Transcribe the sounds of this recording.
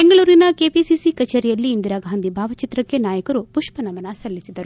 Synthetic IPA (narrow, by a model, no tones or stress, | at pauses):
be̞ŋɡɐɭuːɾinɐke̞ːpisisikɐt͡ʃeːɾijɐlːiːnd̪iɾaːɡʱaːnd̪ʱibʱaːʋɐt͡ʃit̪ɾɐkːe̞naːjɐkɐɾupuʃpɐnɐʋɐnɐsɐlːisid̪ɐɾu